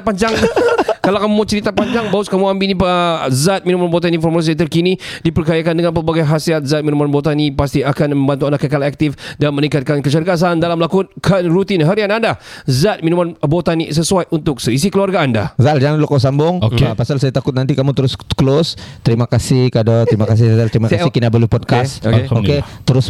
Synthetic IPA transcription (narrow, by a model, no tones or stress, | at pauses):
paɲd͡ʒaŋkalakamumat͡ʃəɾit̪apaɲd͡ʒaŋbaʊskamuambilnipzat̪̚minumanbot̪̬aninfɔrmuas̬it̪ərkinidipərkajakandəŋanpərbaɡajɦasiat̪̚zat̪̚minumanbot̪anipast̪iakanmə̃mbant̪uandaʔkəkalak̚t̪ɪfdanmənĩŋkat̪̚kankət͡ʃaɾkas̬aandalamlakʊt̪̚kʰənrut̪inɦaɾianandazat̪̚mĩnumanbot̪anis̬əsuajʔunt̪ʊk̚səis̬ikəluarɡaanda̰zald͡ʒaŋanlokas̬ambʊŋopasalsajat̪akʊt̪̚nant̪ikamũt̪əɾʊskəlost̪əɾimakasɪhkadɔt̪əɾimakas̬ɪhzalt̪əɾimakasɪhkinaʔbəlupɔd̚kaskeoket̪əɾʊs